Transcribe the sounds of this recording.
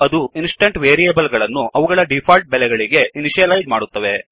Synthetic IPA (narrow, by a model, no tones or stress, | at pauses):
ɐd̪uinsʈɐɳʈʋeːɾijɐbɐlɡɐɭɐnːuʔɐʋuɡɐɭɐɖipʰaːlʈ̚bɛlɛɡɐɭiɡe̞iniʃijɐlɐjd͡ʒmaːɽut̪ːɐʋe̞